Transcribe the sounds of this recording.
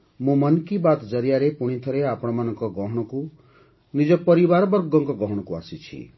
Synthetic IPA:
mumʌnkibat̪d͡ʒʌɾijaɾepuɽ̃it̪ʰɔɾeapɔɽ̃ɔmanɔŋkɔɡɔɦɔɽ̃ɔku | nid͡ʒɔpʌɾibaɾɔbɔɾɡɔŋkɔɡɔɦɔɽ̃ɔkua̰sit͡ʃʰḭ

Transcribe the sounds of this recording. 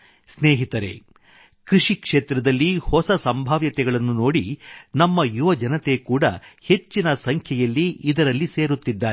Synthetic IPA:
sneːɦit̪ɐɾḛː | kɾiʂikʂeːt̪ɾɐd̪ɐlːihɔsɐsɐmbʱaːʋjɐt̪ɛɡɐɭɐnːuno̞ːɽinɐmːɐjuʋɐd͡ʒɐnɐt̪e̞kuːɽɐ̰he̞t͡ʃːinɐsɐŋkʰjɐjɐlːiːd̪ɐɾɐlːiseːɾut̪ːid̪ːaː

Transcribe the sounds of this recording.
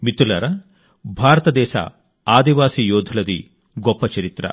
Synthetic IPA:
mit̪ːulɐ̰ɾɐ | bʱaːɾɐt̪ɐd̪ɛːʃɐ̰ | aːd̪iʋaːsijoːd̪ʱulɐd̪i | ɡɔpːɐt͡ʃɐɾit̪ɾɐ̰

